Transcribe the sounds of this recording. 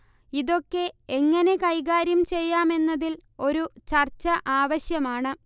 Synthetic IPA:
iðo̞kːe̞eŋːɐne̞kɐjɣaːɾjɐmt͡ɕe̞jːaːme̞nːɐðilo̞ɾut͡ɕɐrt͡ɕːɐʔaːʋɐɕjɐmaːɳɨ

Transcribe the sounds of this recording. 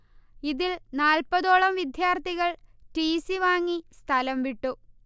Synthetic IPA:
iðilnaːlpɐðo̞ːɭɐmʋid̪ʱjaːrt̪iɣɐɭʈiːsiʋaːŋːist̪ʰɐlɐmʋiʈːu

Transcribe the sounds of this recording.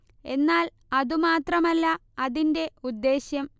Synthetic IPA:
e̞nːaːl | ɐðumaːt̪rɐmɐlːɐɐðinde̞ud̪ːe̞ːɕjɐm

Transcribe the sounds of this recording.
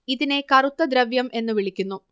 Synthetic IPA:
iðine̞kɐrut̪ːɐd̪ɾɐʋjɐmʔe̞nːɨʋiɭikʲːunːu

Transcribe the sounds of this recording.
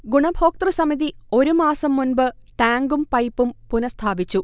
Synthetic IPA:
ɡuɳɐbʱoːk̚t̪rɨsɐmiðio̞ɾumaːsɐmːunbɨʈaːŋɡumpɐjpːumpunɐst̪ʰaːbit͡ɕːu

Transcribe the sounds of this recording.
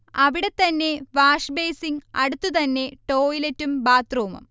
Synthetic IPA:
ɐʋiɽe̞t̪ːɐnːe̞ʋaːʂbe̞ːsiŋɐ̰ɽut̪ːut̪ɐnːe̞ʈo̞ːjiletːumbaːt̪roːmɐ̰m

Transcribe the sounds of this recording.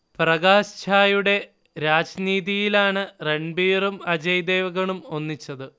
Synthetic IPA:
prɐɣaːɕt͡ɕʰaːjuɽe̞ | ɾaːd͡ʑniːðijilaːɳɨre̞ɳbiːrumɐd͡ʑɐjd̪eːʋɐɣɐɳumo̞nːit͡ɕːɐðɨ

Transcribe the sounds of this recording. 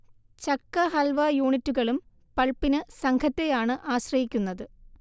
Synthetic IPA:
t͡ɕɐkːɐɦɐlʋɐjuːɳitːuɣɐɭum | pɐɭpinɨsɐŋkʰɐt̪ːe̞jaːɳɨʔaːɕrɐjikʲːunːɐðɨ

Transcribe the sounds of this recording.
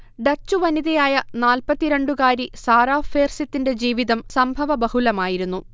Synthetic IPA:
ɖɐt͡ɕːuʋɐniðɐjaːjɐnaːlpɐt̪ːiɾe̞ɳɖukaːɾisaːɾaːfeːrsit̪ːinde̞d͡ʑiːʋiðɐmsɐmbʱɐʋɐbɐhulɐmaːjiɾunːu

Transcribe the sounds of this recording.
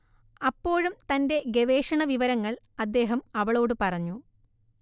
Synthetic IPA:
ɐpːo̞ːɻumt̪ɐnde̞ɡe̞ʋe̞ːʂɐɳɐʋiʋɐɾɐŋːɐɭ | ɐd̪ːe̞ːɦɐmɐʋɐɭo̞ːɽɨpɐrɐɲːu

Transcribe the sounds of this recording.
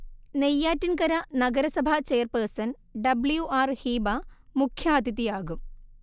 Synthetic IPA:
nejːaːtːinkɐɾɐnɐɡɐɾɐsɐbʱɐt͡ɕejɐrpeːrsɐn | ɖɐbljuʔaːrhiːbɐmukʰjaːd̪it̪ːijaːɣum

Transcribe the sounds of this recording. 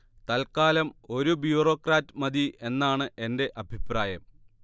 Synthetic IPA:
t̪ɐlkaːlɐmo̞ɾubjuːroːkraːtːɨmɐd̪ie̞nːaːɳɨʔe̞nde̞ʔɐbʱipraːjɐm

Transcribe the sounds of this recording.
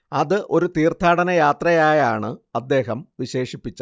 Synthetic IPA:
ɐðɨʔo̞ɾut̪iːrt̪ʰaːɽɐnɐjaːt̪rɐjaːjaːɳɨɐd̪ːe̞ːɦɐmʋiɕe̞ːʂipːit͡ɕːɐ

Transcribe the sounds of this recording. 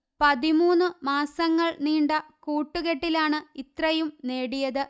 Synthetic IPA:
pɐðimuːnːɨmaːsɐŋːɐɭniːɳɖɐkuːʈːuɣe̞ʈːilaːɳɨit̪rɐjumne̞ːɽijɐðɨ

